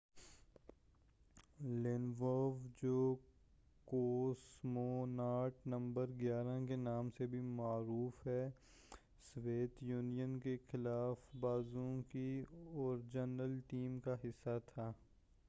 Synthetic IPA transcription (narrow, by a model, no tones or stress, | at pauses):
lɪnʋɔːʋd͡ʒoː | koːsmonaːɾʈnɐ̃mbəɾɡjaːɾakenaːmsebʱimaːɾuːfɦɛː | sʋeːt̪juːnijənkexɪlaːfbaːzũkiɔːɾd͡ʒənəlʈiːmkaɦɪsːat̪ʰaː